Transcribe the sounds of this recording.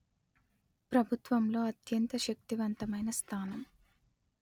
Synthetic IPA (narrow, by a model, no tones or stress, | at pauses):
pɾɐbʱut̪ʋɐmlo̞ːɐt̪jɐnt̪ɐʃɐk̚t̪iʋɐnt̪ɐmɐjnɐst̪ʰaːnɐm